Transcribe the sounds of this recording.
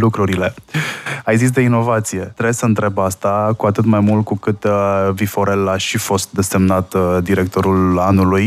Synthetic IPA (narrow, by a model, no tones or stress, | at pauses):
lukɾuɾile̞ | ajzis̬d̪eino̞vat̪sije̞t̪ɾebesəɨnt̪ɾe̞bast̪akuat̪ɨt̪majmult̪̚kukɨt̪vifo̞ɾe̞laʃifo̞st̪̚d̪e̞se̞mnat̪d̪iɾe̞k̚t̪o̞ɾulanuluj